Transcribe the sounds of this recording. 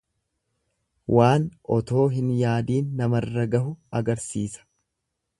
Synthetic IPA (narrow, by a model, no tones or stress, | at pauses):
wʔaːnɔt̪o̞ːɦɪnjaːd̪iːnːɐmɐrːɐɡɐɦʊɐɡɐɾsiːsɐ̥